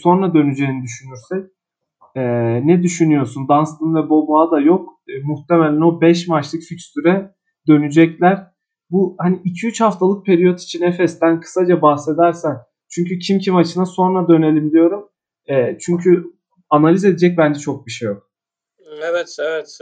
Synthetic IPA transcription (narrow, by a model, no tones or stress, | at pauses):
so̞nɾad̪ø̞nyd͡ʒejnid̪yʃynyɾsɛc̚ | ɛːnɛd̪yʃynyjo̞ɾsund̪anslˠɯnvɛbo̞lˠmaːd̪ajo̞kːmuht̪ʰemelʲæno̞bɛʃmat͡ʃlˠɯkficst̪yɾɛ | d̪ø̞nyd͡ʒɛclʲæɾ̥ | buhaniicʰiyt͡ʃhaft̪ʰalˠɯk̚pʰe̞ɾijot̪ʰi̥t͡ʃʰinefɛst̪ænkʰɯ̥sad͡ʒabahse̞d̪æɾsæn | t͡ʃʰyɲcycʰimcʰimat͡ʃʰɯnaso̞nɾad̪ø̞ne̞lʲimd̪ʲijo̞ɾum | ɛːt͡ʃʰyɲcʰy | analʲize̞d̪ed͡ʒɛc̚bænd͡ʒɛt͡ʃʰo̞k̚biʃejo̞k̚ | evɛt̪evɛt̪